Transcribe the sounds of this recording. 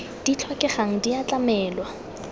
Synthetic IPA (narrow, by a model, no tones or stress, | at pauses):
d̥it͡ɬʰwɔkʼɛχaŋ̩diat͡ɬʼamɛːlwa